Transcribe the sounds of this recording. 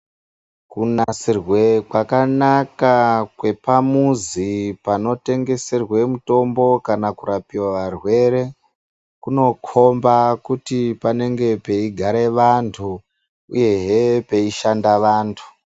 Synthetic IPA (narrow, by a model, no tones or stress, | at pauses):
kunasirwe̞kwakanakakwe̞pamuzipano̞te̞ŋɡe̞se̞rwe̞muto̞mbo̞kanakuɾapiwaʋarwe̞ɾe̞ | kuno̞kʰo̞mbakutipane̞ŋɡe̞pe̞iɡʱaɾe̞ʋantʰu | uje̞ɦepe̞iʃandaʋaːntʰu̥